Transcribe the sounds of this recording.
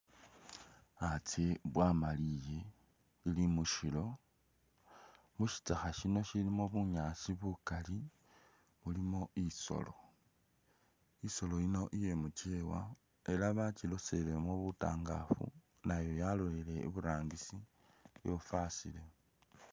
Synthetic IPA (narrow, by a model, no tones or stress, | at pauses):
at͡seβwamalije̞ | ilimuʃilo̞ | muʃi̥t͡saxaʃino̞ʃilimo̞βuɲaːsiβukali | βulimo̞iso̞̰lo̞̰ | iso̞lo̞ino̞ʔije̞mut͡ʃewa̰ | e̞laβat͡ʃilo̞se̞lemoβuta̰ːŋɡa̰fṵ | najo̞jalo̞le̞le̞ḭβuɾaːŋɡisi | jo̞fasile̞